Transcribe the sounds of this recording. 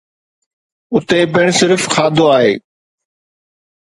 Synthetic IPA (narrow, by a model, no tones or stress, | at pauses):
ʊt̪epɪɽ̃sɪɾfxʰaːd̪ʱoaːɦḛː